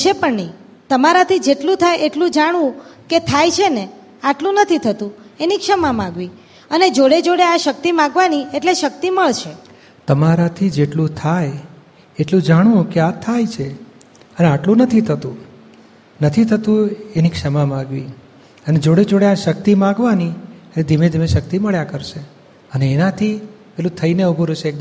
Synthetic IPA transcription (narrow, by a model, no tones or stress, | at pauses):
t͡ʃʰepəɳnɛ | t̪əmaɾat̪ʰid͡ʒeʈlũt̪ʰajʔeʈlũd͡ʒaɽ̃ʋũket̪ʰajt͡ʃʰene | aʈlũnət̪ʰit̪ʰət̪ũenikʃəmamãɡʋi | əned͡ʒoɽed͡ʒoɽeaʃək̚t̪imãɡʋanieʈleʃək̚t̪iməɭt͡ʃʰe | t̪əmaɾat̪ʰid͡ʒeʈlũt̪ʰaj | eʈlũd͡ʒaɽ̃ũkeat̪ʰajt͡ʃʰe | əneaʈlũnət̪ʰit̪ʰət̪ũ | nət̪ʰit̪ʰət̪ũenikʃəmamãɡʋi | əned͡ʒoɽed͡ʒoɽeaʃək̚t̪imãɡʋaniəned̪ʱimed̪ʱimeʃəkt̪iməɭjakəɾʃe | əneːnat̪ʰipelũt̪ʰəineubʱuɾəʃeːk̚d̪